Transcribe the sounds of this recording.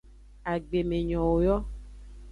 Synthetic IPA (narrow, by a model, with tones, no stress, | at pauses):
a˨ɡ͡be˨mẽ˨ɲɔ̃˨wo˨jɔ˦